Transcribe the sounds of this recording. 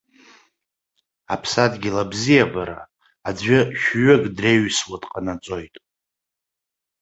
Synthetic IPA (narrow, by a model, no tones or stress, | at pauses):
apʰsadɡʲilabzijabaɾa̰ː | d͡zʷʏʃᶣɥɨɡʼdreɥswatʼqʼanat͡sʷʼo̞jtʼ